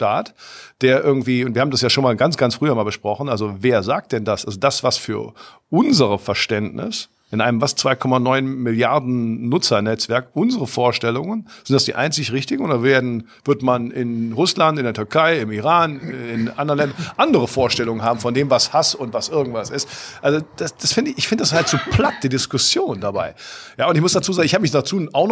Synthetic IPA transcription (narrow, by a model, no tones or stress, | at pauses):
ʃtaːtd̥eːɐʔɪɐɡŋ̩tv̥iːʊntv̥iːɐhaːm̩dasjaːʃoːnmaːlɡant͡sɡ̥ant͡sfʁ̥yːɐmaːlbəʃpʁ̥ɔχn̩ʔalzoveːɐzaːk̚t̚d̥ɛndasʔalzodasv̥asfyːɐ | ʔʊnzəʁəfɛɐʃtɛndnɪ̰s | ʔɪnʔaɪnəmvast͡sv̥aɪkʰɔmanɔʏnmɪljaɐdn̩ːʊt͡sɐnɛt͡sv̥ɛɐkʔʊnzəʁəfoːɐʃtɛlʊŋənz̥ɪntd̥asd̥iːʔa̰ɪnt͡sɪçʁɪçtɪɡŋ̩ʊnd̥aveːɐdn̩v̥ɪɐtmanɪnʁʊslantɪndeːɐtʰʏɐkʰaɪɪmiʁaːnɪnʔandɐnlɛndɐnʔandəʁəfoːɐʃtɛlʊŋənhaːbm̩fɔndeːmvashasʊntv̥asʔɪɐɡŋ̩tv̥asɪstʔalzod̥asd̥asfɪndɪɪçfɪndəd̥ashaltz̥uːpʰl̥at̚d̥iːdɪskʊsjoːndabaɪjaːʊntɪçmʊsd̥at͡suːzaːɡŋɪçhaːbəmɪçdat͡suːʔaʊxn